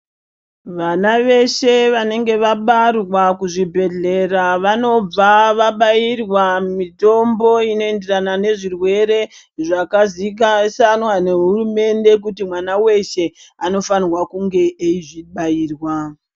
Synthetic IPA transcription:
ʋanaʋe̞ʃe̞ʋane̞ŋɡe̞ʋaɓarwakuʐibʱe̞ɮe̞raʋano̞b͡vaʋaɓairwamito̞mbo̞ino̞e̞nde̞ranane̞ʐirwe̞ɾe̞ | ʐakazik̬asanwane̞ɦurume̞nde̞k̬utimwanawe̞ʃe̞ano̞fanrwakuŋɡe̞ʔeiʐiɓaiːrwa

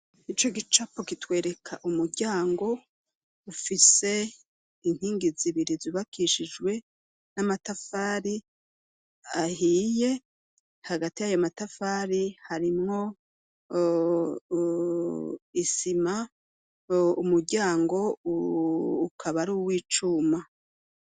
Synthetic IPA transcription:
it͡ʃo̞ɡit͡ʃapokitwe̞ːɾe̞kʰaʔumuɾɟaːŋɡo̞ | ufise̞ | in̥hiːŋɡiziβiɾiziβakʰiʃid͡ʒɡwe̞ | namatafaːɾi | ahiːje̞ | haɡatijajomatafaːɾihaɾimŋo̞ | isima | umuɾɟaːŋɡo̞ | kʰaβaɾuːwiːt͡ʃuːma

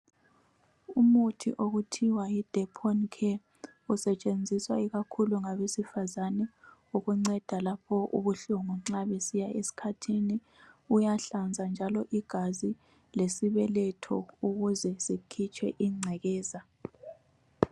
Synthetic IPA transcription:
umutʰḭʔoɣutʰiwajid̥ʱɛpʰɔnkʰɛ | usɛt͡ʃʼend͡zʱiswaiɣakʰuluŋaβesifazanɛuɣuŋ͡ǀɛd̥ʱalapʰɔʔṵβuɬuŋɔŋ͡ǀaβesijaesi̥kʰatʰini | ujaɬand͡zʱand͡ʒʱalɔʔiɡ̥ʱazi | lesiβɛlɛtʰɔ̰uɣuzɛsikʰit͡ʃʰʼɛ̰ʔiŋ͡ǀʱɛɣɛːza

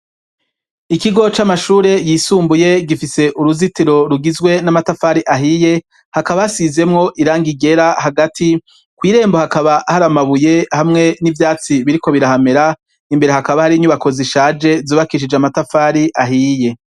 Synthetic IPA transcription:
ikiɡo̞t͡ʃamaʃuːɾe̞jiːsuːmbuje̞ɡifise̞ʔuɾuzitiɾo̞ɾuɡizɡwe̞namatafaɾiʔaɦije̞ | hakaβasize̞mŋo̞ʔiɾaːŋɡiɡe̞ɾahaɡatʰi | kwiːɾe̞ːmbo̞hakaβahaɾamaβuje̞hamŋe̞nivjaːt͡siβiɾiko̞βiɾahame̞ɾa | imbeɾe̞hakaβahaɾiɲuβako̞ziʃaːd͡ʒe̞zuːβakiʃ̬id͡ʒeamatafaːɾiʔaɦiːje̞

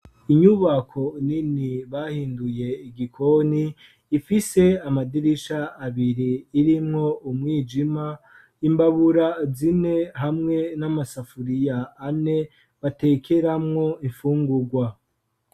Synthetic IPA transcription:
iɲuβakʰo̞niniβahiːnduje̞iɡikʰo̞niː | fise̞amadiɾiʃaːβiɾiːɾimŋo̞umŋiːd͡ʒima | imbaβuɾazine̞ɦamŋe̞namasafuɾijaːne̞ | βate̞ːkʰe̞ɾamŋo̞iɱfuːŋɡuɡwa

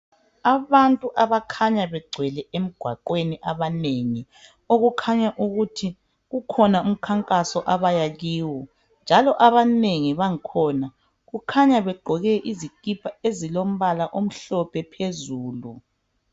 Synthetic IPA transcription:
aβantʼuʔaβakʰaɲaβɛɡ͡ǀʱwɛlɛʔem̩ɡ̥ʱwaǃweniʔaβaneŋi | oɣukʰaɲaʔuɣutʰi | ɣukʰɔnaum̩kʰaŋkʼasɔʔaβajaɣiːwɔ | nd͡ʒʱalɔʔaβaneŋiβaŋikʰɔːna | ɣukʰaɲaβɛɡ͡ǀʱɔɣɛʔizikʼipʰaezilom̩βalaʔom̩ɬɔpʰɛpʰezuːlu

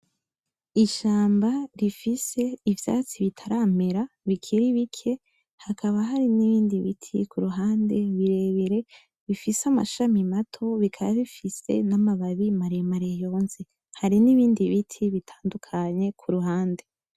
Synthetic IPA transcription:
iʃaːmbaɾifise̞ivja̰ːt͡siβitʰaɾaːme̞ɾa | βikʰiɾiβikʰe̞ | hakʰaβaɦaɾiniβiːndiβḭtʰḭkʰuɾuɦaːnde̞βiɾe̞βeɾe̞ | βifisama̰ʃamimatʰo̞βikʰaβaβifise̞̰namaβaβimaɾemaɾejo̞nze | haɾiniβiːndiβitʰiβitʰaːndukʰaɲe̞kʰuɾuɦaːnde̞

